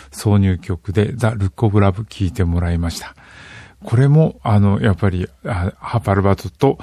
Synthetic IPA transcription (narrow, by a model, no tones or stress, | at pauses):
so̞ːɲ̟ɨːkʲo̞kɯ̟d̪e̞zaɾɯ̟kːo̞bɯ̟ɾabɯ̟kʲʰiːt̪e̞mo̞ɾaimaɕi̥t̪ḁ | kʰo̞ɾe̞mo̞ano̞japːaɾʲiahapaɾɯ̟bat̪ot̪o̞